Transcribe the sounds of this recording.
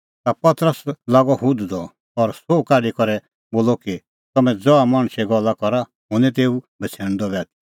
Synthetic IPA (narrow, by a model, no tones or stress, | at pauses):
t̪apɐt̪ɾəslaːɡɔɦʊd̪d̪ɔ | ɔɾsoːkaːɖikɔɾɛ | boːlɔki | t̪ɐmɛ̃d͡zɔamãːɽ̃ʃɛɡɔlːakɔɾa | ɦʊnɛ̃t̪̬eːu | bɐt͡sʰɛːɽ̃d̪ɔbɛːt̪i